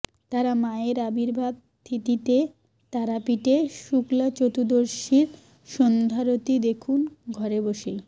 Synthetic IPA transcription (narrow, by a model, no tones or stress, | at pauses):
t̪aɾamaeɾabiɾbʱad̪ | t̪ʰːit̪it̪e | t̪aɾapiʈeʃuklat͡ɕot̪ud̪oɾʃiɾ | ʃɔnd̪ʱaɾot̪id̪ekʰunɡʱɔɾeboʃej